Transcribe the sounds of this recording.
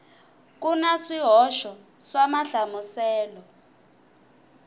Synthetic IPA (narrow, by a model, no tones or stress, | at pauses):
k̬unasiɦɔʃɔ | samaɬamusɛːlɔ